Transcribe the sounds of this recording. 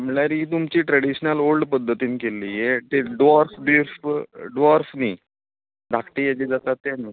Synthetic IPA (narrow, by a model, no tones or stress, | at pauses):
mɭaɾiːt̪̬umt͡ɕiːʈɾəɽiɕnəlolɖpəd̪ʱːət̪iːnkelːijet̪eɖʋaɾfbiɾfɖʋaɾfniː | ɖ̪ʱakʈiːjat͡ɕiːd͡zat̪at̪ːenːə